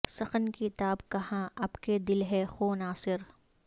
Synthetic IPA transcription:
sɐxənkit̪aːbkɐɦãʔapked̪ɪlɦɛxoːnaːsɪɾ

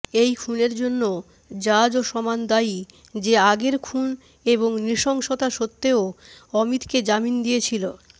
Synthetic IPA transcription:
ejkʰuneɾd͡ʑonːo | d͡ʑad͡ʑoʃɔmand̪ai | d͡ʑeaɡeɾkʰun | eboŋniʃɔŋʃot̪aʃot̪ːeoɔmit̪ked͡ʑamind̪ijet͡ɕʰilo

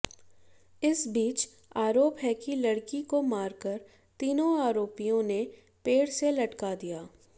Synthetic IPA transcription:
ɪsbiːt͡ʃ | aːɾoːpɦɛkilɐɽkikomaːɾkəɾ | t̪iːnõaːɾoːpijõne | peːɽselɐʈkad̪ijaː

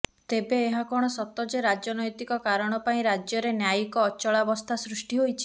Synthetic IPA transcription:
t̪ebeːɦakɔɽ̃ɔsɔt̪ɔd͡ʒeɾad͡ʒɔnɔjt̪ikɔkaɾɔɽ̃ɔpaĩɾad͡ʒjɔɾenjajikɔːt͡ʃɔɭabɔst̪ʰasɾusʈiɦojt͡ʃʰi̥

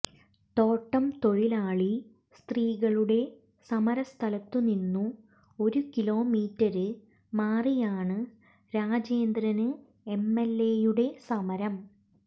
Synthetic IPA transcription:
t̪o̞ːʈːɐmt̪o̞ɻilaːɭi | st̪riːɣɐɭuɽe̞ | sɐmɐɾɐst̪ʰɐlɐt̪ːuninːu | o̞ɾukilo̞ːmiːtːɐɾɨ | maːrijaːɳɨ | ɾaːd͡ʑeːnd̪ɾɐnɨ | e̞mːe̞lːejuɽe̞sɐmɐɾɐm

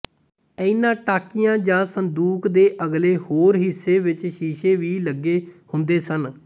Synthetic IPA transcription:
əɪnãːʈaːkɪjãːd͡ʒãːsənd̪uːkd̪eːʔəɡleːhoːɾɦɪsːeːʋɪt͡ʃʃiːʃeːʋiːləɡːeːhʊnd̪eːsən

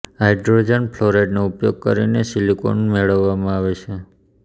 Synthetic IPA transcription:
ɦajɖɾod͡ʒənpʰloɾeɖnoupjoɡ̚kə̰ɾinesiliko̰nmeɭəʋːamãaʋet͡ʃʰe

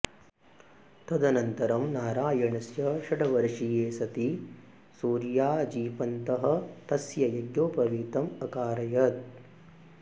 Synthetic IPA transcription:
t̪ɐd̪ɐnɐnt̪ɐɾɐmnaːɾaːjɐɳɐsjɐʃɐʈɐʋɐɾʂijeːsɐt̪i | suːɾjaːd͡ʒiːpɐnt̪ɐɦɐ̆t̪ɐsjɐjɐɡjoːpɐʋiːt̪ɐmɐkaːɾɐjɐt̪̚

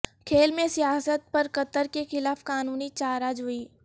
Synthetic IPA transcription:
kʰeːlmẽsijaːsət̪̚pɐɾkɐt̪əɾkexɪlaːfkaːnuːnit͡ʃaːɾad͡ʒɦʊiː

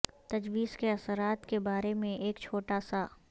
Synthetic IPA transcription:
t̪ɐd͡ʒwiːzkeɐsəɾaːt̪kebaːɾemẽʔeːkt͡ʃʰoːʈaːsa

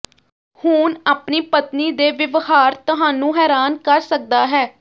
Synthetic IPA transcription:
hʊːnaːpniːpət̪niːd̪eːʋɪʋhaːɾt̪əɦaːnũːɦɛːɾaːnkəɾsək̚d̪aːɦɛː

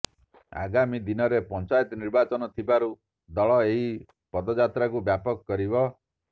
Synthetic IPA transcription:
a̰ɡamid̪inɔɾepɔnt͡ʃajt̪ɔniɾbat͡ʃɔnɔt̪ʰibaɾu | d̪ɔɭɔeɦi | pɔd̪ɔd͡ʒat̪ɾakubjapɔkɔkɔɾibɔ

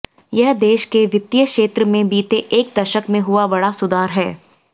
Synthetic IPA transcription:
jɐɦd̪eːʃkeʋɪt̪ːijəkʃeːt̪ɾəmẽbiːt̪eʔeːk̚d̪ɐʃəkmẽɦʊabɐɽasʊd̪aːɾɦɛː

